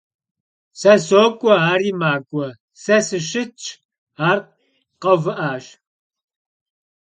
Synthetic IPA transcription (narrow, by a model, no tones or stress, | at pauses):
sɐsoːkʷʼɔaːɾiːmaːkʷʼɔ | sɐsɨʃɪt͡ʃʼ | aːr | qɐvɨʔaːɕ